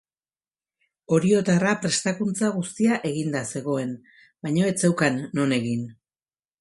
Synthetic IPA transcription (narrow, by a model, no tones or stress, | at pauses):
o̞ɾio̞t̪arapɾe̞st̪akunt͡saɣ̞ust̪iaʔe̞ɣind̪ase̞ɣ̞o̞e̞n | bajɲo̞e̞t͡se̞wkanːo̞ne̞ɣin